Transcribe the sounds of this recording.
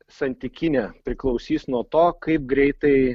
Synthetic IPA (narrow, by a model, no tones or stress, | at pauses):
sɐnʲt̪ʲɪkʲɪnʲɛpʲɾʲɪklˠɒʊsʲiːsnuɔt̪oːkɐɪp̚ɡɾʲɛɪt̪ɐɪ